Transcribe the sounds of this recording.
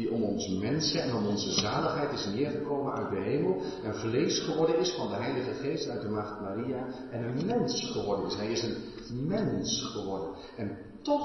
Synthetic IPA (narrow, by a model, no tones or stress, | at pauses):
iɔmɔnsəmɛnsəɛnɔmɔnzəzaːləχɦɛjtɪsnɪːəɹɣəkoːmənœ̰ɥt̚dəɦeːməlˠ | ənvleːsχəʋɔɹdənɪsfɑndəɦɛjləɣəχeːstœɥt̚dəmaxtmaria | ɛnənmɛnsχəʋɔɹdənɪsɦɛjɪsən | mɛnsχəʋɔɹdən | ɛn | tɔ